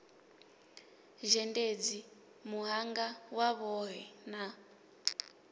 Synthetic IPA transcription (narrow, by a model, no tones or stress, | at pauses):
ʒɛnded͡zi | muɦaŋɡawaβɔɦɛna